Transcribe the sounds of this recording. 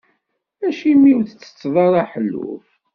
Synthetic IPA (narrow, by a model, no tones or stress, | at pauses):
æʃimiwθət͡sːə̥t͡sːðˤɑɾˤaħəlːṵf